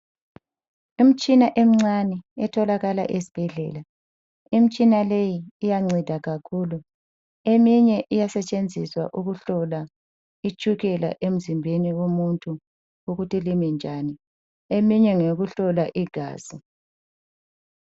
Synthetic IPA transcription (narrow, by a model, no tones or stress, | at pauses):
im̩t͡ʃʼinaʔem̩ŋ͡ǀanɛɛtʰɔlaɣala̰ʔesi̥b̥ʱɛɮɛ̰ːla | im̩t͡ʃʼinalejiːjaŋ͡ǀid̥ʱaɣakʰulu | emiɲɛʔijasɛt͡ʃʼend͡zʱiswa̰ʔuɣuɬɔla | it͡ʃʼuɣɛla̰ʔem̩zimbʱeniwomuntʰʼu | uɣutʰilimɛnd͡ʒʱaːni | emiɲɛŋeɣuɬɔlaʔiɡ̥ʱa̰ːz̥i